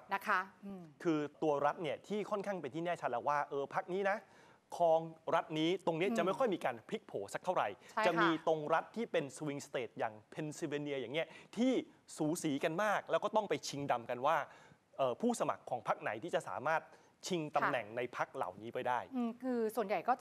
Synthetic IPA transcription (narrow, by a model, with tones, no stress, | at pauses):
na˦˥kʰa˦˥kʰɯː˧t̪u˧ɐɾa˦˥t̪̚ni˥˩ɐt̪ʰiː˥˩kʰɔ˥˩nkʰaː˥˩ŋpa˧nt̪ʰiː˥˩nɛː˥˩t͡ɕ̪̚ʰlɛ˨˩waː˥˩ʔɤː˧pʰa˦˥k̚niː˦˥na˦˥ | kʰɔː˧ŋɾa˦˥t̪̚niː˦˥t̪o˧ŋni˦˥ɐt͡ɕa˨˩ʔma˥˩jkʰɔ˥˩jmiː˧kaː˧npʰi˦˥k̚pʰoː˩˦sa˦k̚t̪ʰa˥˩wɾa̰˨˩jt͡ɕt͡ɕa˨˩ʔmiː˧t̪o˧ŋɾa˦˥t̪ʰːiː˥˩pe˧nswi˧ŋst̪eː˨˩t̪̚jaː˨˩ŋpʰe˧nsi˧weː˧ni˧əjaː˨˩ŋːni˦˥ɐt̪ʰiː˥˩suː˩˦siː˩˦ka˧nmaː˥˩k̚lɛ˦˥wkɔː˥˩t̪ɔ˥˩ŋpa˧jt͡ɕʰi˧ŋda˧mka˧nwaː˥˩ | ʔɤː˨˩pʰuː˥˩sa˧ma̰˨˩kʰːɔː˩˦ŋpʰa˦˥k̚na˩˦jt̪ʰiː˥˩t͡ɕa˨˩ʔsa̰ː˩˦maː˥˩t̪̚ | t͡ɕʰi˧ŋt̪a˧mnɛ˨˩ŋna˧jpʰa˦˥k̚la̰˨˩wniː˦˥pa˧jdaː˥˩jkʰɯː˧su˨˩ənja˨˩jkɔː˥˩